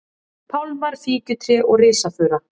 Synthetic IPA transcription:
pʰawlmaɾ̥fiːcʏt̪ʰɾɪʔɔɣrɪːsafʏːɾa

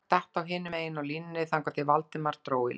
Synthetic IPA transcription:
t̪ɛht̪awɦɪːnɪeːjɪnawlinnːɪθaŋkat̪ɪvalt̪ɪmaɾ̥t̪ɾoːwɪ̰

